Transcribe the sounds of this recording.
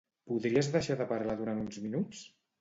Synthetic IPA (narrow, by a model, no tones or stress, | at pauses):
puðɾiəzðəʃaðəpaɾlaðuɾant̪unzminut͡s